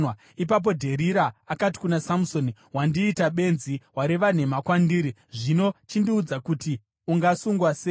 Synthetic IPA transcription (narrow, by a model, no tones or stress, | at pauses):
ip̬ap̬o̞dʱe̞ɾiɾaːkati̥kunasamuso̞ni | wandiːtaɓe̞nziwaɾeʋan̤e̞makwandiːɾi | ʐino̞t͡ʃindiud͡zakuti | uŋɡasuŋɡwase